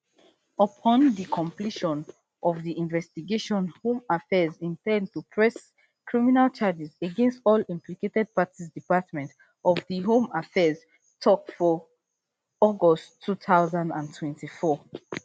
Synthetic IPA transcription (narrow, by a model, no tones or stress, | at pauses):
əpʰɔ̃nðikʰɔ̃mpliʃɔ̃n | ʔɔvðiʔĩnvɛstiɡeʃɔ̃nhõmafɛzĩntɛ̃nd̚tupʰɹɛs | kʰɹiminalt͡ʃad͡ʒizeɡɛ̃nstɔlĩmpliketɛd̚patizdipatmɛ̃nt | ɔvðiɦõmafɛz | tʰɔkfɔ | ɔɡɔsʰuθaʊzãndãntʰwɛ̃ntifɔ